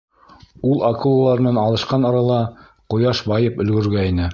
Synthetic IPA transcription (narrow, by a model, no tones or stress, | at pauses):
ulˠɑkulˠolˠɑɾɤ̆nɑnɑlˠɤ̆ʃqɑnɑɾɑlˠɑ | qŏjɑʃbɑjɤpɵ̆lɡɵ̆ɾɡæinɘ